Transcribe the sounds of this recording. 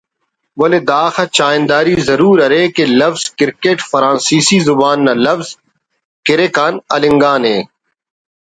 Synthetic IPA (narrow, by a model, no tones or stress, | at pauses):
ʋɐled̪aːxat͡ʃaːɪnd̪aːɾizɐɾuːɾɐɾeːkelɐfz̥kɪɾkeːʈfɐɾãːnsiːsizʊbaːnːalɐfz | kɪɾeːkaːnɐlɪ̃ŋɡaːnɦeː